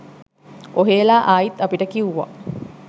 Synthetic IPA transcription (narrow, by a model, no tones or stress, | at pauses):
oɦeːlaːʔaːjit̪ːapiʈəkiuʋa̰